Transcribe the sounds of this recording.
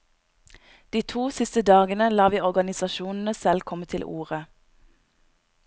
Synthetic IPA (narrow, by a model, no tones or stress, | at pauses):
d̪̥iːt̪ʰuːsɪst̪əd̪ɑːɡənəlɑːʋiːɔʁɡɑnɪsɑʃuːnn̩əsɛlkʰɔmət̪ʰɪlʔṵːʁə